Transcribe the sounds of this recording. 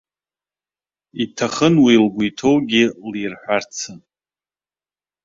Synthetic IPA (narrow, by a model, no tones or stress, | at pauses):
itʰaχənwilɡʷuitʰo̞wɡʲilirħʷart͡sʰɨn